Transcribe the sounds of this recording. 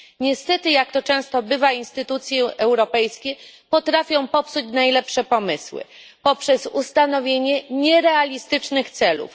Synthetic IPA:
ɲɛst̪ɛt̪ɘjakt̪ɔt͡ʂɛ̃w̃st̪ɔbɘvainst̪ɘt̪ut̪sʲjɛʔɛwɾɔpɛjskʲɛpɔt̪ɾafʲjɔ̃w̃pɔpsut͡ɕnajlɛpʂɛpɔmɘswɘ̰ | pɔpʂɛzust̪anɔvʲjeɲɛɲɛɾɛalʲist̪ɘt͡ʂnɘxt̪sɛlṵf

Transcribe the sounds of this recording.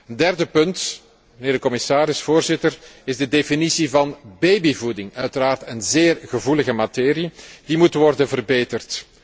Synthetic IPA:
əndɛrdəpɵnt | məneːrdəkɔmɪsaːɾɪsfoːrzɪtərɪzdədefinisivɑnbejbivudɪŋœɥtəɾaːrtənzeːrɣəvuləɣəmateːɾid̥imutʋɔrdənvərbeːtərt

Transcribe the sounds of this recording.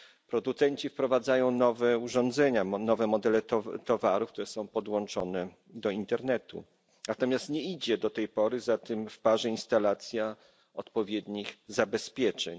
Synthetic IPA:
pɾɔd̪ut̪sɛɲt͡ɕifpɾɔvad̪zajɔ̃w̃nɔvɛuʐɔ̃nd̪zɛɲanɔvɛmɔd̪ɛlɛt̪ɔt̪ɔvaɾufkt̪uɾɛsɔ̃w̃pɔd̪wɔ̃nt͡ʂɔnɛ | d̪ɔint̪ɛɾnɛt̪ṵ | nat̪ɔmʲjast̪ɲɛid͡ʑɛd̪ɔt̪ɛjpɔɾɘzat̪ɘmfpaʐɛinst̪alat̪sʲja | ɔt̪pɔvʲjɛd̪ɲiɣzabɛspʲjɛt͡ʂɛ̰ɲ

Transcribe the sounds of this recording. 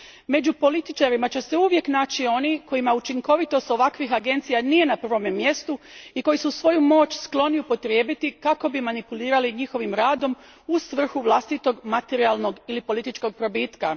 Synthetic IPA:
me̞d͡ʑupo̞lit̪it͡ʃaɾimat͡ɕe̞se̞uʋje̞knaːt͡ʃio̞niko̞jimaut͡ʃiŋko̞ʋit̪o̞st̪o̞ʋakʋixaɡe̞nt̪sijanije̞napr̩ʋo̞memːje̞st̪uiko̞jisusʋo̞jumo̞ːt͡ɕsklˠo̞niupo̞t̪ɾjeːbit̪ikako̞bimanipuliːɾaliɲixo̞ʋimɾaːd̪o̞m | usʋr̩xuʋlˠast̪it̪o̞ɡmat̪eɾialˠno̞ɡilipo̞lit̪it͡ʃko̞ɡ̚pɾo̞bit̪ka

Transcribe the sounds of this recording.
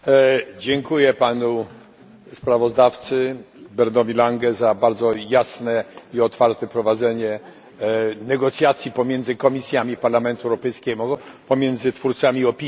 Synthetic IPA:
d͡ʑɛŋkujɛpanu | spɾavɔzd̪aft̪sɘ | bɛɾnɔvʲilaŋɡɛzabaɾd̪zɔjasnɛiɔt̪faɾt̪ɛpɾɔvad̪zɛɲɛ | nɛɡɔt̪sʲjat̪sʲjipɔmʲjɛnd̪zɘkɔmʲisʲjamʲipaɾlamɛnt̪uɛwɾɔpɛjskʲɛmupɔmʲjɛnd̪zɘt̪fuɾt̪samʲiɔpʲi

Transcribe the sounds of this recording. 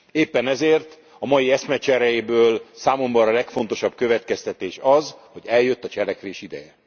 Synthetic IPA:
eːpːɛnɛzeːrt̪ | ɒmɒjiɛsmɛt͡ʃɛɾɛjibøːlsaːmo̞mbɒɾɒlɛkfo̞n̪t̪o̞ʃɒbkøvɛt̪kɛst̪ɛt̪eːʃɒzho̞ɟɛljø̞t̪ːɒt͡ʃɛlɛkʋeːʃid̪ɛ̰jɛ

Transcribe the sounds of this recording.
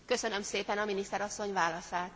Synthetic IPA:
kø̞sø̞nø̞mseːpɛnɒminist̪ɛɾɒsːo̞ɲvaːlɒsaːt̪

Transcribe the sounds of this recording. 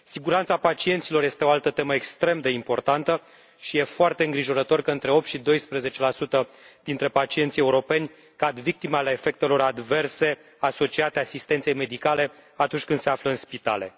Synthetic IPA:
siɡuɾant̪sapat͡ʃiet̪silo̞rje̞st̪eo̞alt̪ət̪e̞məekst̪ɾe̞md̪e̞impo̞rt̪ant̪ə | ʃije̞foart̪e̞ɨŋɡɾiʒo̞ɾət̪o̞rkəɨnt̪ɾe̞o̞p̚t̪ʃid̪o̞jspɾeze̞t͡ʃe̞lasut̪ə | d̪̥int̪ɾe̞pat͡ʃie̞nt̪sʲje̞uɾo̞pe̞nʲ | kad̪vik̚t̪imealeːfe̞k̚t̪e̞lo̞ɾad̪ve̞rse̞ | aso̞t͡ʃiat̪easist̪ent̪sejme̞d̪ikale̞at̪unt͡ʃʲkɨnd̪se̞afləɨnspit̪a̰le̞̰

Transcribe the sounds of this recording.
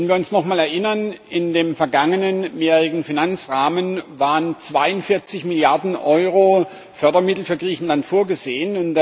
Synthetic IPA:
n̩viːɐʊnsnɔχmaːlɛɐʔɪnɐnɪndeːmfɛɐɡaŋənənjɛːʁɪɡn̩finant͡sʁaːmənvaːʁənt͡sv̥aɪʊntfɪɐt͡sɪçmɪljaɐdn̩ʔɔʏʁoː | fœɐdɐmɪtl̩fyːɐɡʁiːçn̩lantfoːɐɡəzeːənʊn

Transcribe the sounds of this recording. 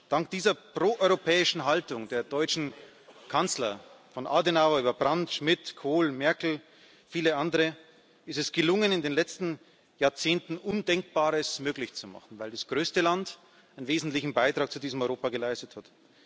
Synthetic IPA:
d̥aŋk̚d̥iːzɐpʁ̥oːʔɔʏʁopʰɛːɪʃn̩ɦaltʊŋdeːɐdɔʏt͡ʃn̩ | kʰant͡slɐfɔnʔa̰denaʊɐyːbɐbʁantʃmɪtkʰoːlmɛɐkl̩ | fiːləʔandəʁə | ɪstɛsɡ̥əlʊŋənɪndeːnlɛt͡stn̩ | jaːɐt͡seːntn̩ʔʊndɛŋk̚b̥aːʁəsmøːklɪçt͡suma̰χn̩vaɪldasɡ̥ʁøːstəlant | aɪnveːzn̩tlɪçn̩baɪtʁ̥aːk̚t͡sudiːzəm̩ɔʏʁoːpaɡəlaɪstəthat

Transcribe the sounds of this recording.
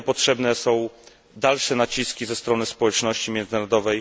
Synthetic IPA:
pɔtʂɛbnɛsɔ̃w̃ | d̪alʂɛnat͡ɕiskʲizɛst̪ɾɔnɘspɔwɛt͡ʂnɔɕt͡ɕimʲjɛnd̪zɘnaɾɔd̪ɔvɛj

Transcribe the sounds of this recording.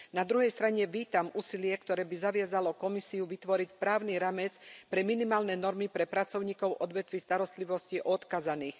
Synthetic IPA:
nad̪ɾuɦɛjst̪ɾaɲɛʋiːt̪amuːsilɪɛkt̪ɔɾɛːbizaʋɪazalɔkɔmisiuʋit̪ʋɔɾicpɾaːʊniɾaːmɛt͡spɾɛminimaːlnɛnɔɾmipɾɛpɾat͡sɔʊɲiːkɔʊʔɔd̪ʋɛt̪ʋist̪aɾɔst̪liʋɔsciʔɔt̪kazaniːx

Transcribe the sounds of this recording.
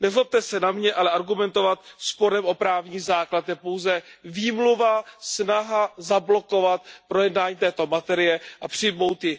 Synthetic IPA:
nɛzlop̚t̪ɛsɛnamɲɛʔalɛʔaɾɡumɛnt̪o̞vat̪̚spo̞ɾɛmʔo̞pɾaːvɲiːzaːklat̪jɛpowzɛviːmluvasnaɦazablo̞ko̞vat̪̚pɾo̞jɛdnaːɲiːt̪ɛːt̪o̞mat̪ɛɾɪjɛʔapr̝̥ɪmo̞wt̪jɪ

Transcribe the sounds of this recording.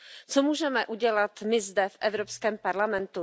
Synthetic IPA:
t͡somuːʒɛmɛʔuɟɛlat̪mɪzdɛfʔɛvɾopskɛːmpaɾlamɛnt̪u

